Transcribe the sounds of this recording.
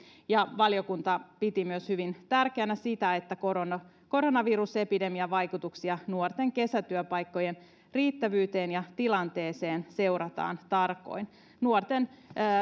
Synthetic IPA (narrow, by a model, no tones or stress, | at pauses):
jɑʋɑljo̞kunt̪ɑpit̪imyøshyʋint̪ærkeænæsit̪æe̞t̪ːækoɾonɑ | ko̞ɾo̞nɑʋiɾuse̞pide̞miæʋɑjkut̪uksiɑnuort̪e̞ŋke̞sæt̪yøpɑjkːo̞jen | riːt̪ːæʋyːt̪e̞ːnjɑt̪ilɑnt̪e̞ːse̞ːnse̞wɾɑt̪ɑ̰ːnt̪ɑrko̞̰in | nuort̪enː